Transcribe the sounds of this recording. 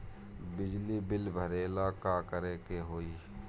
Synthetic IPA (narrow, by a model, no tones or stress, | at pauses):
bɪd͡ʒlibɪlbʱəɾeːlaːkakəɾeːkeɦoːiː